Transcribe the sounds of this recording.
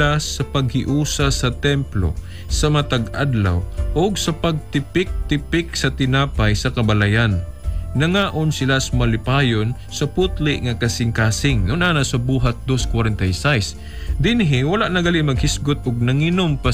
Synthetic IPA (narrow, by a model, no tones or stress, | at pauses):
asɐpɐɡ̚hɪʔuːsasɐt̪ɛmplo̰ | sɐmt̪ɐɡa̰d̪la̰wʔoɡsɐpɐɡ̚t̪ɪpɪk̚t̪ɪpɪk̚sɐt̪ɪnaːpajsɐkɐbɐlajanː | ɐŋaːʔonsɪlasɐmɐlɪpaːjon | sɐpʊt̪lɪʔŋɐkɐsɪŋkaːsɪŋnʊnʔaːnɐsɐbuːɦat̪̚d̪oskwaɾɛnt̪ajsajs | d̪ɪnɦɪwɐlaʔnɐɡɐlɪmɐɡhɪsɡʊt̪̚ʊɡ̚nɐŋɪnompa